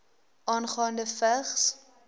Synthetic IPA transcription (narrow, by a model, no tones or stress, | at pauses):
ʔɑːnχɑːndəfəχs